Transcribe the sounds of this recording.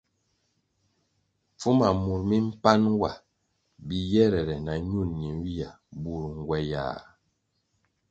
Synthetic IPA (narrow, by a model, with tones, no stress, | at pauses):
p͡fu˦ma˨mu˨ɾmi˦m̩˦pa˦nwa˨ | bi˨jɛ˦ɾɛ˨ɾɛ˨na˨ɲu˦˨nːi˨˦wi˦ja˨ | bu˨ɾŋ̩˨ɡwɛ˦ja̰˨